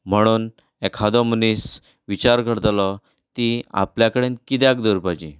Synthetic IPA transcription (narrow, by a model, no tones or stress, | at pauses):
m̤əɽ̃uːn | ekʰad̪ɔmənis | ʋit͡ɕaɾɡʱəɽt̪lɔ | t̪ia̰pljakəɽenkit̪jakd̪əɾpat͡ɕi